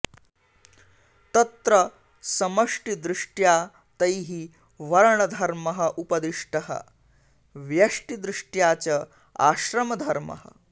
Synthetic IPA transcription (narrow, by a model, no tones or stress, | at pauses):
t̪ɐt̪ɾɐ | sɐmɐʂʈid̪ɾiʂʈjaː | t̪ɐjɦi | ʋɐɾɳɐd̪ʱɐɾmɐɦɐʔupɐd̪iʂʈɐɦə̰ | ʋjɐʂʈid̪ɾiʂʈjat͡ɕɐ | a̰ːɕɾɐmɐd̪ʱɐɾmɐ̰ɦə̰